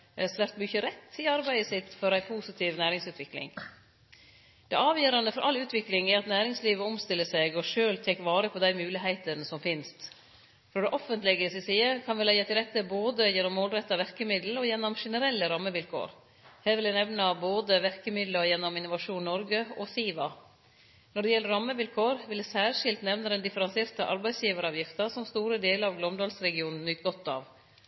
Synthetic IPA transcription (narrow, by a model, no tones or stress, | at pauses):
ɛsʋæɾt̪mʏçəɾɛt̪ːɪɑɾbæɪəsɪt̪ːfɔɾæɪpʰuːsɪt̪ʰiːʋnæːɾɪŋsʉːt̪ʰʋɪklɪ̰ŋ | d̪̥ɛʔɑːʋjøːɾɑnd̪əfɔɾʔɑlːʉːt̪ʰʋɪklɪŋæɾɑt̪næːɾɪŋsliːʋəɔmst̪ɪlːəsɛɡɔʂøːlt̪ʰɛkʋɑːɾəpʰɔd̪æɪmʉːlɪɦæɪt̪ənsɔmfɪnst̪ | fɾɔɖ̪ɛʔɔfənt̪lɪɡəsɪsiːəkʰɑnʋɪlæjɑt̪ɪlɾɛt̪ːəboːd̪əjɛnɔmːoːlɾɛt̪ːɑʋæɾkəmɪd̪l̩ɔjɛnːɔmʂɛnəɾɛlːəɾɑmːəʋɪlkʰo̰ːɾ | hæːɾʋɪld̪æɪnɛʋnəboːd̪əʋæɾkəmɪd̪ləɔjɛnːɔmɪnʊʋɑʂuːnnɔɾɡəɔsiːʋɑ | nɔɖɛjɛlːəɾɑmːəʋɪlkʰoːɾʋɪld̪ɛsæːɾʂɪlt̪nɛʋnəd̪ɛnd̪ɪfəɾɑnseːɾt̪əʔɑ̰ɾbæɪsjiːʋəɾɑːʋjɪft̪ɑsɔmst̪uːɾəd̪eːləɾɑʋɡlɔmd̪ɑːlsɾɛɡɪuːnn̩ːʏːt̪ɡɔt̪ːɑ̰ːʋ